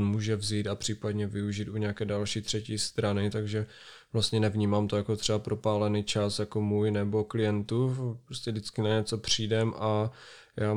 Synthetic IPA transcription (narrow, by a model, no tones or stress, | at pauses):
nmuːʒɛvziːt̪apr̝̥iːpadɲɛvɪuʒit̪ʔuɲɛakɛːdalʃiːt̪r̝̥ɛciːst̪ɾanɪt̪aɡʒɛ | vlast̪ɲɛnɛvɲiːmaːmt̪o̞jako̞t̪r̥ɛbapɾʔo̞paːlɛniːt͡ʃasjako̞muːjnɛbo̞klɪjɛnt̪upɾoscɛdɪt͡skɪnaɲɛt͡so̞pr̝̥iːdɛmʔa | jaː